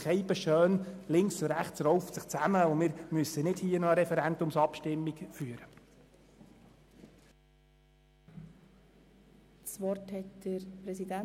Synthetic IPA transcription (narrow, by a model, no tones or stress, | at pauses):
χɛjbəʃøːnlɪŋksʊɾæχt͡sɾɔwftsəχt͡sæməʊmɪɾmyəsənɪdhiːənɔəɾɛfɛɾændʊmsɑpʃtɪmːikfyəɾə | sʋɔrthɛtd̥əɾpɾɛsidæ